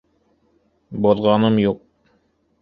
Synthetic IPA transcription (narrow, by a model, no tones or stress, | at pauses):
boðʁɑnɤmjuq̚